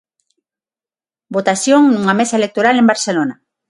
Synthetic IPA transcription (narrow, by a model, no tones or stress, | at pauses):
bot̪asjoŋnuŋamesaelek̚t̪oɾalembaɾselona